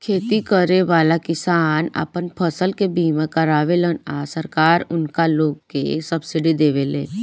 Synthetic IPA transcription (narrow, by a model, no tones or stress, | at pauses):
kʰeːt̪ikəɾeʋaːlakɪsaːnə̰pənpʰəsəlkebiːmẽkəɾaːʋelənasəɾkaːɾʊnkaloːɡkḛsəbsɪɖid̪eːʋelḛ̃ː